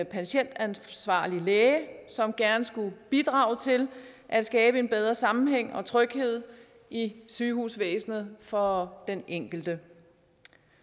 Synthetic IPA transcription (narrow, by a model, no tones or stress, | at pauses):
pʰæɕen̰d̥ænsʋɑ̰̈ːlileːsɒ̽mɡ̥æɐnəsɡ̥ub̥id̥ʁɑ̈ːʊt͡sʰe̝lʔæd̥sɡ̥ɛːb̥əe̝nb̥eð̞ˠʁɐsɑ̈mm̩ɦeŋ̰ɒ̽t͡sʰʁœɡ̥he̝ð̞̰ˠ | ʔisyːhuːsʋḛːsnð̞̩ˠfɒ̽d̥eneŋ̰ɡ̥l̩d̥ə